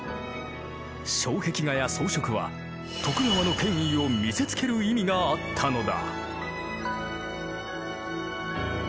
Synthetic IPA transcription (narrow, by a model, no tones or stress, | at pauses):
ɕo̞ːhe̞kʲiɡajaso̞ːɕo̞kɯ̟βa̰ | t̪ʰo̞kɯ̟naβano̞kẽ̞ɰ̃io̞mʲise̞t͡sɨ̥ke̞ɾɯ̟imʲiɡaat̪ʰːano̞d̪a̰